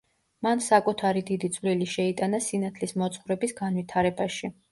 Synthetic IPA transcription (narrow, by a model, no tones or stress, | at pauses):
mansakʼut̪ʰaɾid̪id̪it̪sʼvliliʃɛit̪ʼanasinat̪ʰlismɔt̪sʼχuɾɛbisɡanvit̪ʰaɾɛbaʃi